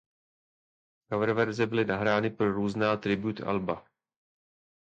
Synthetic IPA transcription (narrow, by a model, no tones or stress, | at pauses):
kavɛɾvɛɾzɛbɪlɪnaɦɾaːnɪpɾoɾuːznaːt̪ɾɪbjut̪a̰lba